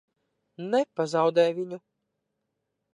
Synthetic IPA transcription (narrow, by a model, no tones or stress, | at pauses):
nɛpazawd̪ɛjvʲiɲu